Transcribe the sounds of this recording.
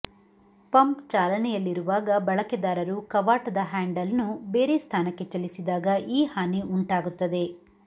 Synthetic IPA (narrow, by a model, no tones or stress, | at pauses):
pɐmpt͡ʃaːlɐnɛjɐlːiɾuʋaːɡɐbɐɭɐkɛd̪aːɾɐɾukɐʋaːʈɐd̪ɐɦaːɳɖɐlnubeːɾest̪ʰaːnɐkːe̞t͡ʃɐlisid̪aːɡɐʔiːhaːniʔuɳʈaːɡut̪ːɐd̪e̞